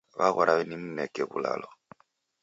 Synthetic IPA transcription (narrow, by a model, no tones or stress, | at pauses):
βaɣɔɾaβɛnim̩nɛkɛβṵla̰lɔ